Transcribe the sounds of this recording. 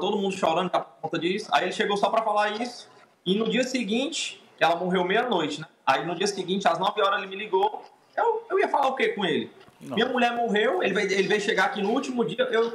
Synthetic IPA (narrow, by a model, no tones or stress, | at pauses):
t̪od̪ʊmũnd̪ʊʃɔɾɐ̃nd̪ʊapʊkõt̪ɐd͡ʒisʊ̥a̰ielɪʃeɡowsɔpɾɐfalaɾisʊ̥ | ɪnʊd͡ʒiɐsɪɡĩt͡ʃɪ̥kɪɛlɐmoɦewmejɐnojt͡ʃɪnɛ | ainʊd͡ʒiɐsiɡĩnt͡ʃɪaznɔvɪɔɾɐzelɪmɪliɡow | ewewiɐfalaʊkekõelɪ̃mĩɲɐmuʎɛɾmoɦewelɪvejelɪvejʃeɡakinʊuwt͡ʃimʊd͡ʒiɐʔew